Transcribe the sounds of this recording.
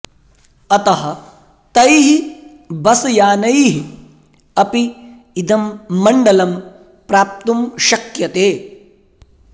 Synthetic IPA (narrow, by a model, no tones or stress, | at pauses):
ɐt̪ɐɦɐ̆ | t̪ɐjɦi | bɐsɐjaːnɐjɦi | ɐpiː | d̪ʱɐmːɐɳɖɐlɐm | pɾaːp̚t̪umʃɐkjɐt̪eː